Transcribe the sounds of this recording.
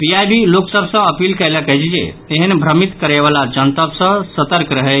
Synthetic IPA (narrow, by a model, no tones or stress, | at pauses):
piajbiloksəbʱsə̃əpilkəɪləkəɦd͡ʒd͡ʒḛeɦənbʱɾəmit̪kəɾɛβalad͡ʒənt̪əbsə̃sət̪əɾkɾəɦɛ